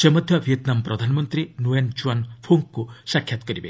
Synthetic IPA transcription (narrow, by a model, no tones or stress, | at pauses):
semɔd̪ʱjɔbʱiet̪namɔpɾɔd̪ʱanɔmɔnt̪ɾinuend͡ʒuanpʰuŋkkːusakʰjat̪ɔ̥kɔɾibḛ